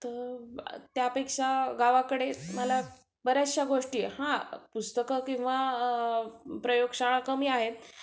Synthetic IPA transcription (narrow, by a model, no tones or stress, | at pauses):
t̪əɾt̪japekʂaɡaʋakəɽeməla | bəɾjaɕaɡoʂʈiːhãpust̪əkəkĩw̃ʋa | pɾəjoɡʂaɭ̃akəmiːaɦet̪